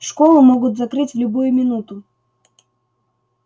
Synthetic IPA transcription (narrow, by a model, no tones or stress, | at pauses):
ʂkolˠʊmoɡʊt̪zɐkɾɨtʲvlʲʊbujʊmʲɪnut̪ʊ